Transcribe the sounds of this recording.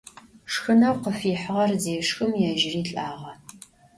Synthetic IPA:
ʂxɨnɐwqəfiːħəʁɐrzeːʂxɨmjɛʒɪriːɬʼaːʁɐ

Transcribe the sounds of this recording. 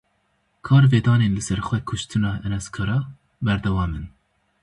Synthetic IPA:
kʰɑːɾveːd̪ɑːneːnlɨsɛɾxʷɛkʰʊʃt̪ʰɨnɑːʔɛnɛskʰɑːɾɑː | bɛɾd̪ɛwɑːmɨn

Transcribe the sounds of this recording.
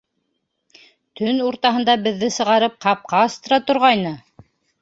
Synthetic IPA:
t̪ɵnuɾt̪ɑɦɤ̆nd̪ɑbɘ̆ðːɘsɤ̆ʁɑɾɤp̚qɑp̚qɑːst̪ɤ̆ɾɑt̪ŏɾʁɑjnɤ

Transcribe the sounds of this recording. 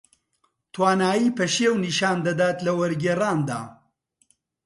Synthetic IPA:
t̪ʰwaːnaːjiːpɐʃewniʃaːnd̪ɐd̪aːt̪lɐwɐɾɡeːraːnd̪a̰ː

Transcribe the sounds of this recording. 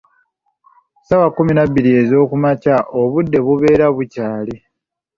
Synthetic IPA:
sawakuminaβːiɾie̞zo̞ːkumacaʔoβudːe̞βuβe̞ːɾaβucaːli

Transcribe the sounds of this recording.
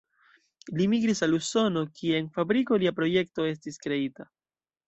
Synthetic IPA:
limiɡɾisaluso̞no̞kʰieenfabɾiko̞liapɾo̞je̞k̚to̞e̞stiskɾe̞ita

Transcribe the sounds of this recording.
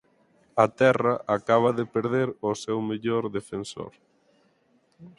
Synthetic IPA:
ɐt̪ɛrɐʔakaβ̞ɐðepeɾðeɾʊsɛwmeʎoɾðefenso̰ɾ

